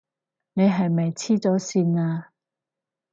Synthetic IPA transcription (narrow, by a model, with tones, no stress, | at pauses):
ne˨˧jɦɐ˨jmɐ˨jt͡sʰiː˥t͡sɔː˨˥siː˧naː˧